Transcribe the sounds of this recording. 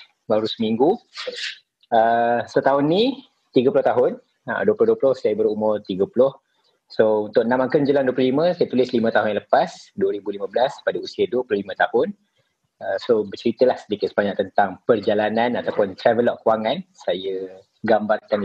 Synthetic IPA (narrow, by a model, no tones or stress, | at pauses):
baɾusəmiŋɡu | əsət̪aɦʊnːi | t̪iɡəpulʊht̪aɦʊn | ə̰duəplʊhduəpulʊhsajəbəɾumʊrt̪iɡəpulʊh | sount̪ʊk̚nãmaŋkənd͡ʒəlaŋnduəplʊhlimə̃sajət̪ulɪslimə̃t̪aɦʊnaləpasduəɾibulimə̃bəlaspadausiəduəplʊhlimə̃t̪ahʊn | əsobərt͡ʃəɾit̪əlahsədikɪt̪̚səbaɲaʔk̚t̪ənt̪aŋpərd͡ʒalananat̪awpʊnt̪ɾɛvəlɔʔkːuwaŋansajə | ɡambarkan